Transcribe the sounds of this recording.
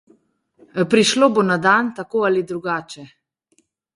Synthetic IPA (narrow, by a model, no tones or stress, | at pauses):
pɾiʃlobonad̪ant̪akoːalid̪ɾuɡaːt͡ʃɛ